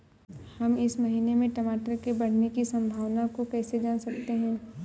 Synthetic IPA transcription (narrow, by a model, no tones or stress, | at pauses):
hɐmɪsmɐɦiːnemẽʈɐmaːʈəɾkebɐɽ̤nekisɐ̃mbʱaːʋnakokɛːsed͡ʒaːnsɐk̚t̪eɦɛ̃ː